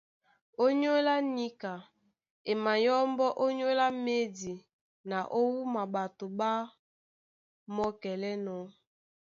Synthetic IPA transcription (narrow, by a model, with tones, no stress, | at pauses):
o˦ɲo˦la˦ni˦ka˨ | e˨ma˨jɔ˦mbɔ˦ʔo˦ɲo˦la˦me˦di˨ | na˨ʔo˦wu˦ma˨ɓa˨to˨ɓa˦ | mɔ˦kɛ˨lɛ˦nɔ˨